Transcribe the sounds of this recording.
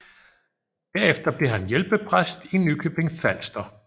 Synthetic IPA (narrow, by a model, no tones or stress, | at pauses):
d̥æɐ̰efd̥ɐb̥le̝ɦænjelb̥əpʰʁasd̥inːykʰøb̥e̝ŋfæl̰sd̥ɐ